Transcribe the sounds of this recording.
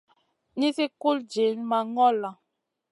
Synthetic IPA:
ni˦si˦ku˦ld͡ʒe˨˦nma˨ŋɔ˦la˨

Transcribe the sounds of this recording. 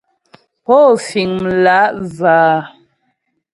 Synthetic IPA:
pɔ˦fi˨ŋm̩˨la˨˦ʔzaː˨˦

